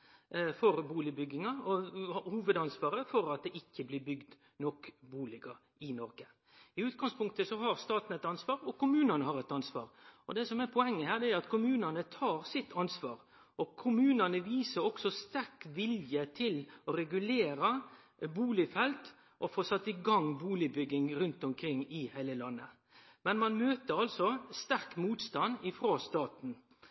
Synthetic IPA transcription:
fɔɾbuːlɪbʏɡɪŋɑɔhuːʋəd̪ɑnsʋɑːɾəfɔɾɑt̪̚d̪ɛɪkːəblɪːɾbʏɡd̪ | nɔkbuːlɪɡə | ɪnɔɾɡə | ɪʉːt̪̚ɡɑŋspʰʊŋkt̪əsɔɦɑɾst̪ɑːt̪n̩ɛt̪ɑnsʋɑːɾɔkʊmʉːnɑnəhɑɾɛt̪ɑnsʋɑ̰ːɾɔd̪ɛsɔmɛpʰɔɛŋːəhæːɾd̪ɛæɾɑt̪kʰʊmʉːnənət̪ʰɑːɾsɪt̪ʰːɑnsʋɑːɾ | ɔkʰʊmʉːnɑnəʋiːsəɾɔɡsɔst̪æɾkʋɪljət̪ʰɪlɔɾɛɡʉleːɾɑ | buːlɪfɛlt̪ | ʔɔfoːsɑt̪ːəɪɡɑŋbuːlɪbʏɡːɪŋɾʉnt̪ɔmkʰɾɪŋːɪhæɪləlɑnːə | mɛnmɑnmøːt̪əɾɑlsɔst̪æɾkmuːt̪st̪ɑnd̪ɪfɾoːst̪ɑːt̪n̩

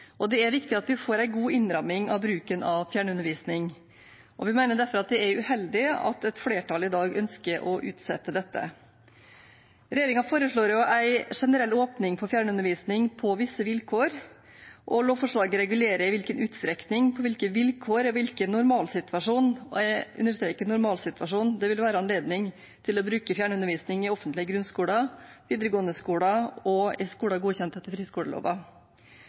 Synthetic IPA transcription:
ʔɔd̪ɛæɾʋɪkt̪ɪɑt̪ʋɪfoːɾæɪɡuːɪnɾɑmːɪŋɑʋbɾʉːkənɑʋfjæːɳʉnəɾʋiːsnɪŋ | ʔɔʋɪmæɪnəɖæɾfɔɾɑt̪̚d̪ɛæɾʉhɛld̪ɪɑ̰t̪ɛt̪fleːʈʰɑlɪd̪ɑːɡœnskəɾʔɔʔʉ̰ːt̪sɛt̪ːəd̪ɛt̪ːə̰ | ɾɛjeːɾɪŋɑfoːɾəʂɭoːɾjʊʔæɪʂɛnəɾɛlːoːpnɪŋpʰɔfjæːɳəʉnəɾʋiːsnɪŋpʰɔʋɪsːəʋɪlkʰoːɾ | ʔɔloːfɔʂɭɑːɡəɾɛɡʉleːɾəɪʋɪlkənʔʉːt̪st̪ɾɛknɪŋpʰɔʋɪlkəʋɪlkʰoːɾɔʋɪlkənːʊɾmɑːlsɪt̪ʰʋɑʂuːnɔ̰æʔʉ̰nːəʂt̪ɾeːkənʊɾmɑːlsɪt̪ʰʋɑʂuːnd̪ɛʋɪlʋæːɾəɑnleːd̪nɪŋ | t̪ʰɪlɔbɾʉːkəfjæːɳəʉnəɾʋiːsnɪŋɪɔfənt̪lɪəɡɾʉnskuːɽɑʋiːd̪əɾəɡoːənəskuːɽɑɔɪskuːɽɑɡuːçɛnt̪ɛt̪əfɾiːskuːɽəlo̰ːʋɑ

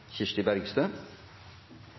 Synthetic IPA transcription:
çɪʂʈ̪ɪbæɾɡst̪œ

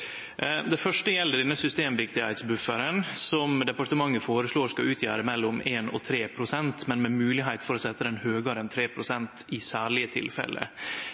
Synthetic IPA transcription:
d̪ɛfœʂʈəjɛlːəɖɛnːəsʏst̪eːmʋɪkt̪ɪhæɪt̪sbʉfəɾənsɔmd̪ɛpɑʈəmɑŋːəfoːɾəʂɭoːʂskɑʔʉːt̪ʰjæːɾəmɛlːʊmeːnɔ̰t̪ʰɾeːpʰɾʊsɛnt̪mɛnmɛmʉːlɪɦæɪt̪fɔɾɔsɛt̪ːəd̪ɛnhøːɡəɾəɛnt̪ʰɾeːpʰɾʊsɛnt̪ɪsæːɭɪət̪ʰɪ̰lfɛ̰lːə̰

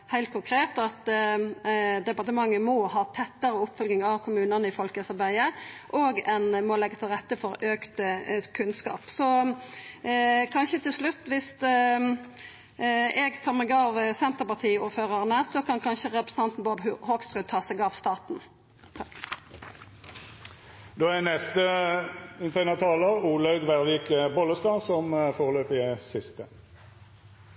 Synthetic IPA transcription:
hæɪlt̪̚kʰʊŋkʰɾeːt̪ɑt̪ | d̪ɛpɑʁt̪əmɑŋːəmɔɦɑːt̪ʰɛt̪ːəʁəʊpːfœlɡɪŋɑʋkʰʊmʉːnənəɪfɔlkəɛsɑbæɪəʔɔːɡɛnmɔlɛɡːət̪ʰɪlʁɛt̪ːəfɔɾøːkt̪əkʰʉnskɑ̰ːpsɔ | kʰɑnʃət̪ɪlslʉt̪ːʋɪst̪ | ɛɡfɔʁmɛɡɑʋsɛnt̪əʁpɑʁt̪ʰiːuːɾføːʁɑʁnəsɔkʰɑnkʰɑnʃəʁɛpɾʁəsəɑnt̪n̩boːd̪hoːksʁʉːt̪ʰɑːsɛɡɑʋst̪ɑːt̪n | d̪oːænɛst̪ə | ɪnt̪ʰænəʁt̪ʰɑːləʁuːlɑʉɡʋæʁʋiːkəbɔlːəst̪ɑːsɔmfoːʁəløːpɪsɪst̪ə

